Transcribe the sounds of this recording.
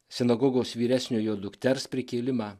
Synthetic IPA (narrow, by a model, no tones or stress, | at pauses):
sʲɪnɐɡɔɡoːsʋʲiːɾʲæsʲnʲuːjoːd̪ʊkʲt̪ʲɛɾspʲɾʲɪkʲeːlʲɪmɑː